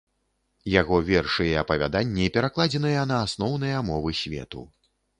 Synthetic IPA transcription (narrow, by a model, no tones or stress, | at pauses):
jaɣɔvʲɛrʂɨjɛɐpɐvʲa̰d̪anʲːiipʲɛɾaklˠad͡zʲɛnɨjɐnɐːsnɔwn̪ɨjɐmɔvɨsʲvʲɛ̰t̪ṵ